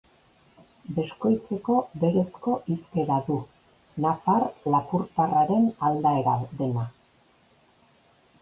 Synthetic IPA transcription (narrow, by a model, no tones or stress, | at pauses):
be̞sko̞jt͡se̞ko̞be̞ɾe̞sko̞ʔiske̞ɾaðu | nafarlapuɾt̪araɾe̞nald̪ae̞ɾald̪e̞na